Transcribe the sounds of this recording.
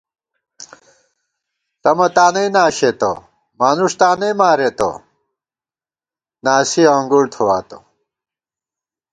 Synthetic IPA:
tɐmɐt̪aːnɐinaːɕet̪o̰ | maːnuʂt̪aːnɐjmaːɾet̪o̰ | naːsiãŋɡuɽt̪ʰowaːt̪o̰

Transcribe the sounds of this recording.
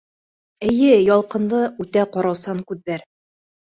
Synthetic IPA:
ɘ̆jɘjɒlˠqɤ̆nd̪ɤʉt̪æqɒɾɑwsɑŋkʉðːæɾ

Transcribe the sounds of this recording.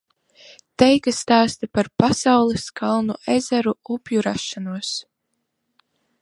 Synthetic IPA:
t̪ɛjkast̪aːst̪apaɾpasawlˠɛskʰalˠnuʔezaɾuupʲjuɾaʃːanuɔs

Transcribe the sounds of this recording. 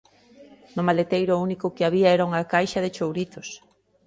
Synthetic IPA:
nʊmalet̪ejɾʊunikʊkɪaβ̞iaɛɾauŋakajʃɐðɪt͡ʃowɾit̪ʊs

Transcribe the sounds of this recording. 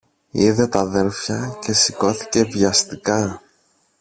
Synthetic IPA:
iðe̞t̪ɐðe̞ɾfçɐce̞siko̞θi̥ce̞vʝɐst̪ikɐ

